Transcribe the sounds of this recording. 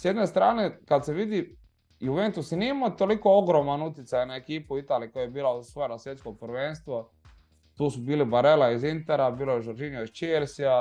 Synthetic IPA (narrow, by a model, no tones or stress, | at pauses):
sjed̪nest̪ɾaːnekad̪seʋid̪i | juʋent̪usniimat̪olikooɡɾoːmanut̪jɪt̪sajnaekiːpuit̪aːliikojajebiːlasʋojenasjet̪skopɾʋeːnst̪ʋo | t̪uːsubiːlibaɾelaizint̪eɾabiːlojeʒoɾd͡ʒinioizt͡ʃelʲsia